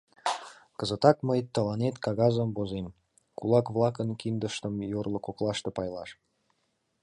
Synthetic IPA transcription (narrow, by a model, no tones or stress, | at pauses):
kəzət̪ɑkməjt̪əlɑnet̪kɑɣɑzəmbozem | kulɑkβlɑkənkind̪əʃt̪əmjorlŏkoklɑʃt̪epɑjlɑʃ